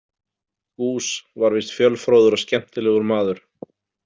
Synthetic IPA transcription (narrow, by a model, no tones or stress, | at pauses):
kuːsvaɾvɪst̪fjœlfɾoːwðʏɾɔscɛm̥t̪ɪlɛːɣʏɾmaːðʏɾ̥